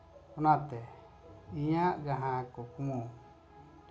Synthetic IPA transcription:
onãt̪e | ijãɣaɦãkokũ

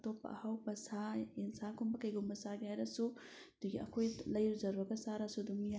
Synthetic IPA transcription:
t̪opɐ̰hɐwpɐsainsakumbɐkɐjɡumbɐsaɡajɾɐsud̪̥uɡʲiɐ̰kʰojlɐjɾuzɐɾuɐkasaɾasud̪umja

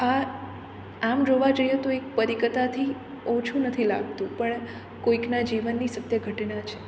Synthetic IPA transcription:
a | amd͡ʒoʋad͡ʒojet̪oek̚pəɾikət̪at̪ʰi | ot͡ʃʰunət̪ʰila̰ɡt̪ũpəɳ | koiknad͡ʒiʋənːisət̪jəɡʱəʈnat͡ʃʰe̥

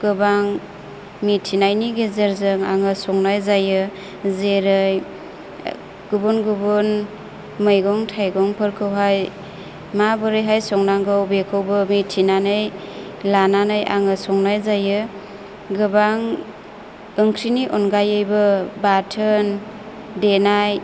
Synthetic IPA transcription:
ɡ̥ɯbaŋ | mitʰinajniɡezeɾzɯŋa̰ŋɯsɔŋnajzajɯ | zeɾɯj | ɡ̥ubunɡubun | mɯjɡɔŋtʰajɡɔŋpʰɯɾkʰɯwɦaj | mabɯɾɯjɦajsɔŋnaŋɡɯwbekʰɯwbɯmitʰinanɯj | lananɯjʔa̰ŋɯsɔŋnajzajɯ | ɡɯbaŋ | ɯŋkʰɾiniʔɔnɡajɯjbɯbatʰɯn | denaj

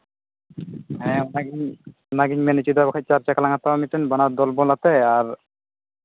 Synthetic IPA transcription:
ɦɛ̃naɡiɲ | naɡiɲmenet͡ɕid̪abakʰat͡ʃaɾt͡ɕakalaŋat̪ːawamiʈenbanad̪ɔlbɔlat̪eaɾ

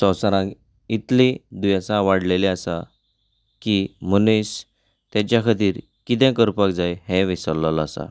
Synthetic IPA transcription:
sɔ̃wsaɾãk | it̪lĩd̪ujãsãʋaɽleleasa | kim̤ənis | t̪ãt͡ɕjakʰət̪iːɾ | kit̪̬ɛ̃kəɾpakd͡zajhɛ̃ʋisəlːəlasa̰

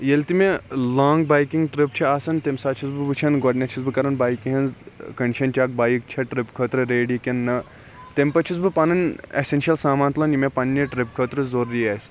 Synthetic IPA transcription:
jelt̪imelaːŋɡ̚baːjkiŋɡʈɾip̚t͡ʃʰiaːsɐnt̪emsaːt͡ʃʰizbɨbɨt͡ʃʰɐnɡoɖnʲɐt͡ʃʰizbɨkɐɾɐnbaːjkiɦɐnzkɐɳɖiʃɐnt͡ʃak̚baːjik̚t͡ʃʰɐʈɾipkʰɐːt̪ɾɨɾeːɖikʲenːɐ | t̪empɐt͡ʃʰizbɨpɐnɐnḛsenʃɐlsaːmaːnt̪lɐnjimʲepɐnːɐʈɾip̚kʰət̪ɾɨzoɾuɾiaːs

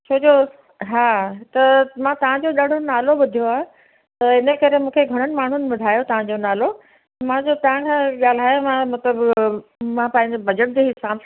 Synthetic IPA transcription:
t͡ɕʰoːd͡ʑoː | ɦaːt̪ɐmãːt̪ɐʋ̤ãd͡ʑoːɗaɽ̤ʱonaːloɓʊd̪ʱijoaːɦe | t̪ɐɪnəkɐɾemũːkʰeɡʱɐɽ̃əñɪ̆maːɳ̤ʊnɪ̆ɓʊd̪ʱaːjot̪ɐʋ̤ãd͡ʑonaːlo | t̪ɐmãd͡ʑot̪ɐɦãkʰãːɠaːl̤aːjomãmɐt̪ləb | mãpãːɪ̃ɲd͡ʑebʱɐd͡ʑəʈ̚d͡ʑeɦɪsaːb

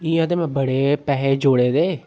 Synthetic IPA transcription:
iːəd̪emɛ̃bəɽeːpɛːɦeːd͡ʒoːɽeːd̪eː

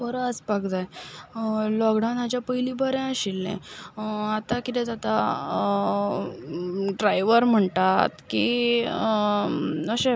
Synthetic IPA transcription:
bəɾəəspaɡd͡z̪aj | lɔɡɽawnɦat͡ɕjapəɦiliːbəɾɛ̃əɕilːḛ̃ | at̪akit̪ɛ̃t̪at̪a | ɖɾajʋəɾm̤əɳt̪at̪ki | əɕẽ

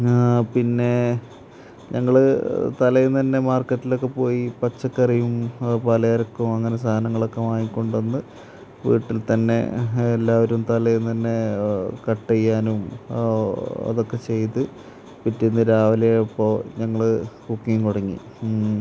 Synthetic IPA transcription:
pinːe̞ | ɲɐŋːɐɭt̪ɐlɐjunt̪ɐnːe̞maːrkɐtːilo̞kːepo̞ːjipɐt͡ɕːɐkːɐrijumpɐlɐjɐɾɐkːumɐŋːɐnes̬aːɐnɐŋːɐɭo̞kːemaːjikːo̞ɳɖɐnːɨ | ʋḭːʈːilt̪ɐnːe̞̰elːaːʋɐɾumt̪ɐlɐjunt̪ɐnːe̞kɐʈːejːaːnum | ɐ̰ðo̞kːe̞t͡ɕe̞jt̪ɨ | pitːinːɨɾaːʋɐlɐjipːo̞ːɲɐŋːɐɭkukːijmkoɽɐŋːḭ

